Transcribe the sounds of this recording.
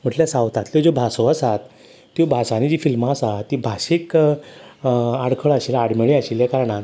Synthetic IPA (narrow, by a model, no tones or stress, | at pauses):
m̤əʈljasawt̪ãt̪lod͡zobʱasoəsat̪ː | jobʱasanid͡ʑiːfilmasat̪ːibʱaɕik | aɽkʰəɭaɕiːlaɽmeɭiaɕiljakaɾɳat̪